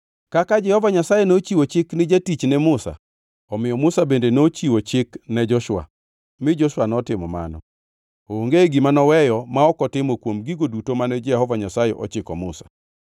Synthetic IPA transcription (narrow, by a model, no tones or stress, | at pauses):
kakad͡ʒɛhɔvaɲasajɛnot͡ʃiwot͡ʃɪknɪd͡ʒatit͡ʃnɛmʊsa̰ | ɔmɪjɔmʊsabendenot͡ʃiwot͡ʃɪknɛd͡ʒɔʃʊwa̰ | mɪd͡ʒɔʃwanɔtɪmɔma̰nɔ̰ | oːŋɡeɡɪmanɔwɛjɔmaɔkɔtɪmokwomɡiɡodutomanɛd͡ʒɛhɔvaɲasajɛʔɔ̰t͡ʃɪkɔmʊ̰sḁ